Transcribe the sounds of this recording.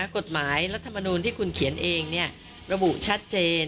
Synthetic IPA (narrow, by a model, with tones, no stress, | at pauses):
ko˨˩t̪̚maː˩˦jɾa˦˥t̪ʰːa˧ma˧nuː˧nt̪ʰiː˥˩kʰu˧nkʰi˩˦ənʔeː˧ŋni˥˩ɐ | ɾa˧bu˨˩ʔt͡ɕʰa˦˥t̪̚t͡ɕeː˧n